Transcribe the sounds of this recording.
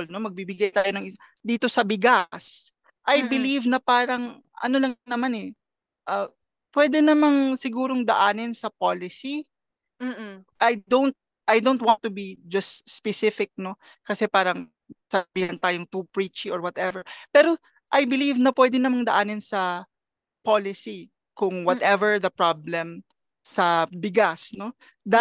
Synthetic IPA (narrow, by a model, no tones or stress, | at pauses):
lno̞mɐɡ̚bibɪɡajt̪aːjonɐŋʔɪ | d̪iːt̪o̞sɐbɪɡas | ʔɐjbɪlivnɐpaːɾɐŋ | ʔɐ̰nolɐŋnɐmanɛ | ʔɐ | pwɛd̪ɛnɐmaŋsɪɡuːɾo̞ŋd̪ɐʔaːnɪnsɐpalɪsi | ʔɐjd̪ownt̪̚ | ʔɐjd̪ownt̪̚want̪ːʊbid͡ʒɐst̪spɛsɪfɪk̚no̞ | kɐsɛpaːɾɐŋ | sɐbiːhɐnt̪aːjoŋt̪upɹit͡ʃiʔoɹwɐt̪ɛvɛɹpɛːɾo̞ | ʔajbɪlivnɐpwɛd̪ɪnɐmaŋd̪ɐʔaːnɪnsɐ | palɪsi | kʊŋwɐt̪ʔɛvɛɹd̪ɐpɹablɛm | sɐbɪɡasno̞ | d̪a